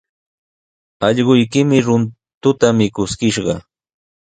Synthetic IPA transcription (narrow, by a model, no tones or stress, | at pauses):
ɑʎɢʊjkɪmɪɾʊn | t̪ʊt̪amɪkʊskɪʃɢɑ̰